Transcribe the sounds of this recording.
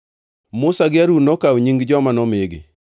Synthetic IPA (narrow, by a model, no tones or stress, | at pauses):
mʊsaɡɪaɾunɔkawɲiŋɡd͡ʒɔmanɔmɪɡɪ̰